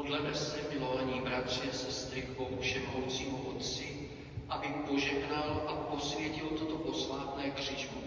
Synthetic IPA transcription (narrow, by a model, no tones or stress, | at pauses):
odlɛnɛsɛmɪloaɲiːbɾat̪r̝̥ɪasɛst̪ɾɪkowfʃɛmowt͡siːɦoʔot̪t͡sɪ | ʔabɪpo̞ʒɛɦnalʔapo̞svjɛcɪlt̪ot̪oʔoslaːt̪nɛːkr̝̥iːʒvo